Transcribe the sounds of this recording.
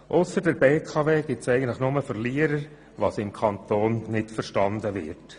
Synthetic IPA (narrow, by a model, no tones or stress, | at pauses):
ʔʊsəɾdəɾbeːkʰɑveːɡ̥ɪtsɛɪɡən̩tləχnʊməfəɾliːəɾəɾ | ʋɑsɪmkʰɑnt̪oːnnɪtfəɾʃtɑndəʋɪ̰rt